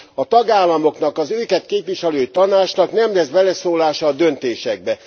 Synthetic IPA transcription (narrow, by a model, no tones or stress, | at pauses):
ɒt̪ɒɡaːlːɒmo̞kn̪ɒkɒzøːkɛt̪keːpʋiʃɛløːit̪ɒnaːt͡ʃnɒknɛmlɛzbɛlɛsoːlaːʃɒːd̪ø̞nt̪eːʃɛɡ̚bɛ